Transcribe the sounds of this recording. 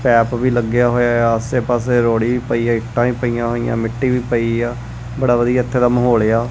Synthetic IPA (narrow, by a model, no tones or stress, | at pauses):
pɛːpʋiːləɡɪjaːɦoːjaːaːəseːpaːseːɾoːɽiːʋiːpəiːaːɪkʈãːiːpəijãːɦoːijã̰ːmɪʈːiːʋiːpəiːaː | bəɽaːʋəd̪ijaːɪt̪ʰːeːd̪əmɦoːleːaː